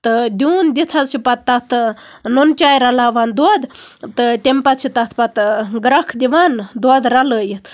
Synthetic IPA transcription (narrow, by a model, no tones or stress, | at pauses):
t̪ɨd̪ʲuːnd̪it̪ʰasipɐt̪ːɐt̪ʰnont͡ʃʲaːjɾɐlaːʋand̪wd̪t̪ɨt̪ʲemʲpɐt̪sʰit̪ɐt̪ʰpɐt̪ɡɾɐkʰd̪ʲiʋand̪wd̪ɾɐləːjit̪ʰ